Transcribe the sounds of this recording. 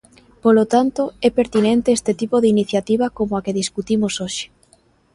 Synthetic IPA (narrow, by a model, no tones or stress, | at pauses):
polot̪ant̪oɛpeɾt̪inẽnt̪eest̪et̪ipoðɪiniθjat̪iβ̞ɐkomoakeðiskut̪imosoʃe̥